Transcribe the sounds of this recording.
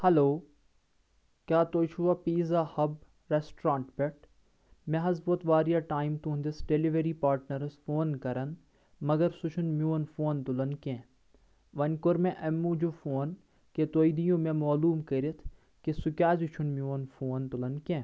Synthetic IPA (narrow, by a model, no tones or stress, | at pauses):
hɐloː | kʲaːt̪oːt͡ʃʰuʋapiːzaːhɐb | ɾesʈɾãːɳʈbeʈ | mẽɦɐzboːt̪ʋaːɾijaːʈaːimt̪und̪ɪsɖeliʋeɾipaːɾʈnɐɾɐsfoːnkɐɾɐn | mɐɡɐɾsʊt͡ʃʰunmjoːnfoːnt̪ʊlɐnkẽː | ʋɐnʲkʊɾmẽʔɐmːũːd͡ʒufoːn | ket̪oːjid̪ijõːmẽmaːluːmkɐɾit̪ʰ | kesʊkʲaːzut͡ʃʰunmjoːnfoːnt̪ʊlɐnkẽː